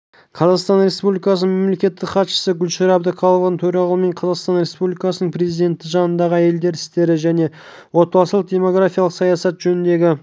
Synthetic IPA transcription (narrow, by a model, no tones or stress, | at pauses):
qʰɑzɑqst̪ɑnɾe̞spublʲijkɑsənəme̞mle̞kʲe̞t̪ːɪkχɑt̪ʃə̥səɡʲʏlʃeɾɑbd̪əqʰɑlˠəvənt̪ʰɵɾɑʁɑlˠəme̞ɴqʰɑzɑqst̪ɑnɾe̞spublʲikɑsənəɴpʰɾe̞zijd̪e̞nt̪ːɪʒɑnənd̪ɑʁəæje̞ld̪e̞ɾɪst̪e̞ɾɪʒæne̞ | wo̞t̪̚pɑlˠslˠəq̚d̪ʲe̞mo̞ɡɾafʲijɑlˠəqsɑjɑsɑt̪ʒɵnɪnd̪e̞ɡʲɪ